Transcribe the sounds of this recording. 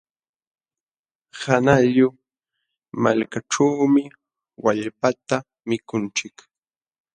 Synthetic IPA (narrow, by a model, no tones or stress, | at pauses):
hanaʎʊ | malkaʈ͡ʂaːmɪ | waʎpat̪a | mɪkʊnt͡ʃɪk